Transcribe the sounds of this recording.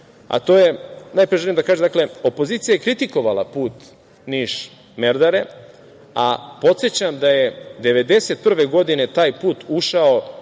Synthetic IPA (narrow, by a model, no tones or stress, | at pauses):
a̰t̪o̞ːjenaːjpɾiʒelimd̪akaʒemd̪akle̞o̞po̞ziːt̪sijajekɾit̪iko̞ʋalˠa̰puːt̪ | niʃ | meɾd̪aɾe | apo̞t̪sjet͡ɕamd̪ajed̪e̞ʋe̞d̪e̞set̪̚pr̩ʋe̞ɡo̞d̪ine̞t̪aːjpuːt̪uʃao